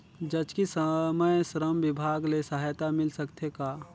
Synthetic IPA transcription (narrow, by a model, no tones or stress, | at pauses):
d͡ʒɐd͡ʒkisəməjsɾəmʋɪbʱaːɡlesəɦajt̪amɪlsɐkt̪ʰekaː